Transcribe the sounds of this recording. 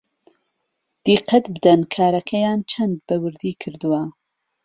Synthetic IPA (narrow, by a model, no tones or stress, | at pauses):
d̪̥iqɐt̪bɨd̪ɐnkʰaːɾɐkʰɐjaːnt͡ʃʰɐnd̪̚bɐwɨɾd̪iːkʰɨɾd̪uwɐ